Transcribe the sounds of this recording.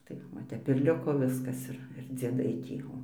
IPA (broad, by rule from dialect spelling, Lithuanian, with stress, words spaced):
ˈtɐɪ ʋɐ ˈtʲɛp ɪr ˈlʲɪkoː ˈʋʲɪskɐs ˈɪr ɪr d͡zʲiɛˈdɐɪ ˈtʲiː ˈoː